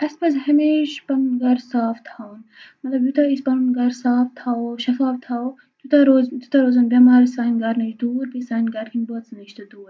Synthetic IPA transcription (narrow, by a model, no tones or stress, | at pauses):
ɐspɐzɦɐmeːʃpɐnunɡɐɾsaːft̪ʰaːwnmɐt̪lɐbjut̪aispɐnunɡɐɾsaːft̪ʰaːoʃɐfaːft̪ʰaːo | d͡ʒ̪ut̪aɾoːzd͡ʒ̪ut̪aɾoːzɐnbʲɐmaːɾisaːnɡɐɾnɐt͡ʃd̪uːɾbisaːnɡɐɾkʰinboːt̪snɐʃt̪ɐd̪uːɾ